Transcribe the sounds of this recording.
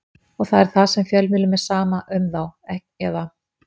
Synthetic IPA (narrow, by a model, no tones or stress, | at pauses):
ɔɣθaðɛɾ̥θaðsɛmfjɛlmɪːlʏmɛ̥saːmaʔʏmθawɛhcɛða